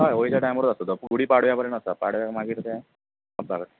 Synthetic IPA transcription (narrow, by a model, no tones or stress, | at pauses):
ɦajoɭit͡ɕjaʈajməɾd̪əst̪ot̪əpɡuɽiːpaɽ̤ʋjapəɾeɳʈəsapaɽʋjamaɡʱiːt̪t̪a | abʱaɡət̪